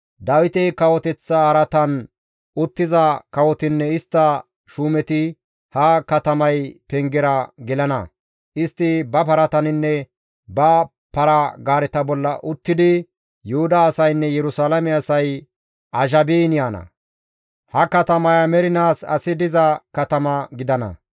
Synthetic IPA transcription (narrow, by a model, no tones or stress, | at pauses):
d̪ɐwɪt̪ɛkɐwɔt̪ɛt͡sːɐɐɾɐt̪ɐn | ʔʊt̪ːɪzɐkɐwɔt̪ɪnːɛɪst̪ːɐ | ʃuːmɛt̪ɪ | hɐkɐt̪ɐmɐjpɛŋɡɛɾɐɡɪlɐnɐ̰ | ʔɪst̪ːɪbɐpɐɾɐt̪ɐnɪnːɛ | bɐ | pɐɾɐɡaːɾɛt̪ɐbɔlːɐ̰ʔʊt̪ːɪd̪ɪ | jʊhʊd̪ɐːsɐjnːɛjɛɾʊsaːlɐmɛɐsɐj | ʔɐʒɐbiːnjaːnɐ̰ | hɐkɐt̪ɐmɐjɐmɛɾɪnaːsɐ̰sɪd̪ɪzɐkɐt̪ɐmɐɡɪd̪ɐnɐ̰